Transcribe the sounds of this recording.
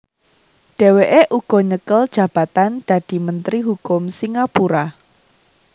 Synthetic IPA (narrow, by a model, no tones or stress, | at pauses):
ɖ̥e̤weʔeʔuɡ̥ɔ̤ɲəkəld̥ʒ̥ä̤b̥ä̤t̪and̪̥ä̤d̪̥i̤mənt̪ɾiɦukʊmsiŋapuɾa